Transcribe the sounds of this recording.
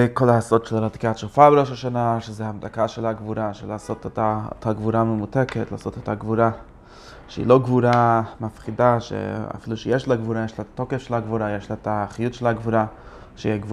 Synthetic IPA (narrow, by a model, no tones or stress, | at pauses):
ekolaːsodʃelaɾati̥katt͡ʃufabeɾoʃaʃanaʃezehamdakaʃelaɡvuɾaʃelaːsotetaethaɡvuɾamemuteketla̰ːso̞tetaɡvuɾa | ʃeḭloɡvuɾamafχidaʃḛa̰filuʃejeʃlaɡvuɾajeʃlatatokefʃelaɡvuɾajeʃlaetaχijutʃelhaɡvuɾa | ʃeiiɡvu